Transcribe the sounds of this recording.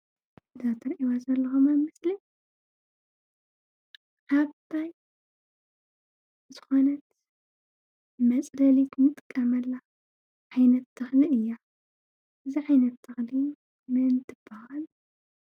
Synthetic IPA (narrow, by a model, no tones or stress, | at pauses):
ɨzat̪ʰɐɾʔiwazɐlːɐxumɐmɨsli | kʰaβt̪ʰaj | zɨxo̞nɐt̪ | mɐt͡sʼdɐlit̪mɨt̪ʼɨ̥kʼːɐmɐlːa | ʕajnɐt̪ʰːɨxliɨjːa | ʔɨziʕajnɐt̪ʰːɨxli | mɨnt̪ʰɨb̥ɐhal